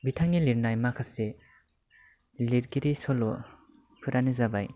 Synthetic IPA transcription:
bitʰaŋiliɾnajmakʰase | liɾɡiɾisɔlɔ | pʰɯɾʔanizabaj

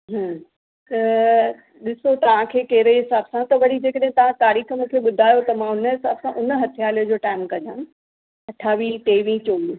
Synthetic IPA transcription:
ɦə | t̪ɐ | ɗɪsot̪ɐʋ̤ãkʰeːkɐːɾeɦɪsaːbsãt̪ɐʋɐɽid͡ʑeːkəɗɦẽt̪ɐʋ̤ãt̪aːɾiːxəmẽkʰeɓʊd̪ʱaːjot̪ɐmãʊnəɦɪsaːbsãʔʊnə̆ɦɐt̪ʰijaːliəd͡ʑoːʈaːɪmkɐ̃d͡ʑã | ɐʈʰaːʋĩʈeːʋĩt͡ɕoːi

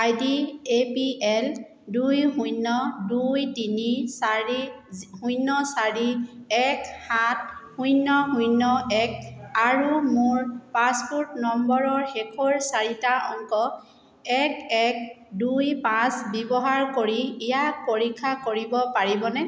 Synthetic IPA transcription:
ajdiepiɛl | dujhujnːɔdujdinisaɹihujnːɔsaɹiɛkhat̚hujnːɔɦujnɔɛk̚aɹumʊɹpãspuɹtnɔmbɔɹɔɹxɛkʰɔɹsaɹitaɔŋkɔ | ɛkɛk̚dujpãsbɛbɔɦaɹkoɹiːjak̚poɹikʰːakoɹibɔpaɹibɔnɛ

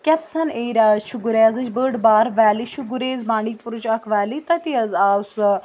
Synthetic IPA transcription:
kʲɛt̪sɐneɾaʃuɡuɾeːɐzɨt͡ʃbəːɖbaːɾʋɛːliʃuɡuɾeːzbãːɳɖipʊɾut͡ʃɐkʰʋɛːlit̪ɐt̪iɐzaːs

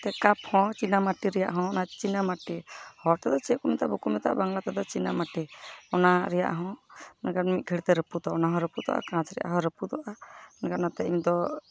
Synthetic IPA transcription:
t̪ɛkaphɔ̃t͡ʃinamaʈiɾɛja̰ʔɦɔ̃ɔnat͡ʃinamaʈihɔɾt̪ɛd̪ɔt͡ʃɛkumɛt̪aʔbukumɛt̪a̰ʔbaŋlat̪ɛd̪ɔt͡ʃinamaʈiɔnaɾɛja̰ʔɦɔ̃nɛɡanmit̪̚ˀɡʱəɽt̪ɛɾəpud̪ɔɔnaɦɔ̃ɾəpud̪ɔ̰ʔa̰kãt͡ʃɾɛjʔa̰ɦɔ̃ɾəpud̪ɔʔanɛɡanat̪ɛiɲd̪ɔ

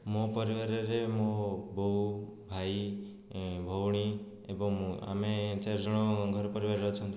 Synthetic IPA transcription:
mõpɔɾiʋaɾeɾemoboubʱai | bʱɔwɽ̃i | ebɔŋa̰met͡ʃaɾd͡ʒɔɽ̃ɔɡʱɔɾɔpɔɾiʋaɾɾɔt͡ʃʰɔnt̪ʰu

